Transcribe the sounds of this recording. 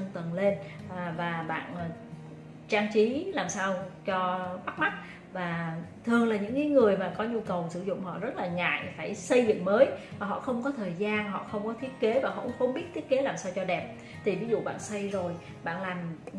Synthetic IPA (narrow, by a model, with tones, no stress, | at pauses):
ŋt̪ə˨˩nle˧n˨˩vaː˨˩ɓa̰ː˧˨n˨˩ | t͡ɕaː˧ŋt͡ɕi˨˦laː˨˩msaː˧wt͡ɕɔ˧ɓa˦˥k̚ma˦˥t̚ | vaː˨˩t̪ʰɨ˨˩əŋlaː˨˩ɲɨ̰˧˥ŋkaː˨˦jŋɨ˨˩əjmaː˨˩kɔ˨˦ɲu˧kə˨˩wsɨ˧˩zʊ̰˧˨ŋ͡mɦɔ̰˧˨zə˦˥t̚laː˨˩ŋa̰ː˧˨jfaː˧˩jsə˧jzɨ̰˧˨ŋməː˨˦jvaː˨˩ɦɔ̰˧˨xə˧wŋ͡mkɔ˨˦t̪ʰəː˨˩jzaː˧nɦɔ̰˧˨xə˧wŋ͡mkɔ˨˦t̪ʰi˦˥ət̚ke˨˦vaː˨˩ɦɔ̰˧˩˧xə˧wŋ͡mɓi˦˥ət̪̚ʰi˦˥ət̚ke˨˦laː˨˩msaː˧wt͡ɕɔ˧ɗɛ˨˩p̚ | t̪ʰi˨˩vi˨˦zṵ˧˨ɓa̰ː˧˨nsa˧jzo˨˩j | ɓa̰ː˧˨nlaː˨˩m